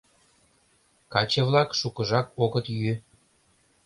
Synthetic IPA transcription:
kɑt͡ɕĕβlɑkʃukəʒɑkoɣət̪jy

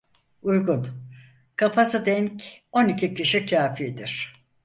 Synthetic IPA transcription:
ujɡun | kʰapʰasɯd̪ɛɲco̞nicʰicʰiʃicʰaːfijd̪iɾ̥

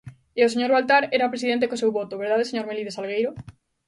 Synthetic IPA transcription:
eos̬eɲoɾβalt̪aɾeɾapɾesiðent̪ekosewβot̪oβeɾðaðeseɲoɾmeliðesalɣ̞ejɾo

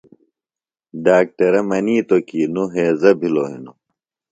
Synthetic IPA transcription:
ɖaːk̚ʈɐɾɐmɐniːt̪okiːnuɦeːzɐbʱiloːɦḭnu

